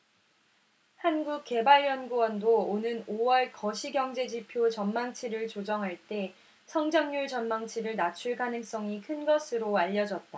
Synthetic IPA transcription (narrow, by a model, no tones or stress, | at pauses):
hanɡuk̚k͈e̞baɭjʌnɡuwʌndoonɯnowʌɭkʌɕʰiɡjʌŋd͡ʑe̞d͡ʑipʰjot͡ɕʌnmaŋt͡ɕʰiɾɯɭt͡ɕod͡ʑʌŋɦaɭt͈e̞ | sʰʌŋd͡ʑʌŋɲuɭt͡ɕʌnmaŋt͡ɕʰiɾɯɭnat͡ɕʰuɭɡanɯŋs͈ʌŋikʰɯnɡʌsʰɯɾoaʎːʌd͡ʑʌt̚t͈a